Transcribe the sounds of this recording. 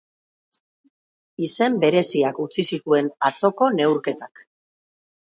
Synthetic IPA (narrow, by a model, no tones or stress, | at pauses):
ise̞mbe̞ɾe̞siakut͡sisit̪ue̞nat͡so̞ko̞ne̞wɾke̞t̪ak